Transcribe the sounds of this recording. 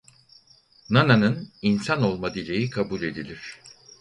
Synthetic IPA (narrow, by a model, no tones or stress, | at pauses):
nananɯninsano̞lˠmad̪ilʲejikʰabulʲe̞d̪ilʲiɾ̝̥